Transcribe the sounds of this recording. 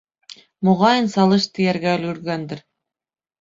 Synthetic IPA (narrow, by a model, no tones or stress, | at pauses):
muʁɑjɤ̆nsɑlˠɤ̆ʃt̪ɯ̆jærɡælʲyrɡænd̪ɘ̆r